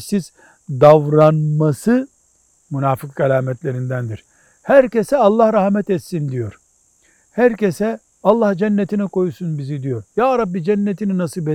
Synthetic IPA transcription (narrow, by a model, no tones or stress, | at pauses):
siz̥ | d̪avɾanmasɯ | munaːfɯk̚ɡalʲaːmɛt̪lʲe̞ɾind̪ænd̪iɾ̥ | hæɾce̞sɛalˠːahɾahmɛt̪ɛt̪sind̪ijo̞ɾ̥ | hæɾce̞sɛ | alˠːahd͡ʒɛnːet̪ʰinɛko̞jusunbizid̪ijo̞ɾjaːɾabːid͡ʒɛnːet̪ʰininasɯbɛ